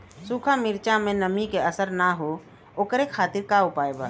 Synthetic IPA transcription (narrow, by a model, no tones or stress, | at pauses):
sukʰamiɾt͡ʃamẽnəmikeəsəɾnaɦo | oːkɾekʰaːt̪ɪɾkaʊpaːjba̰